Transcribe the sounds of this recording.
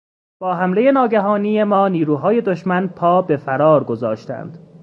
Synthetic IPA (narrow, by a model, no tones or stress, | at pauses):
b̥ɒːɦæmle̞je̞nɒːɟæɦɒːnijemɒːniːɾuːɦɒːje̞d̪o̞ʃmænpʰɒːbe̞fæɾɒːɾɡo̞zɒːʃt̪æ̰nd̪̥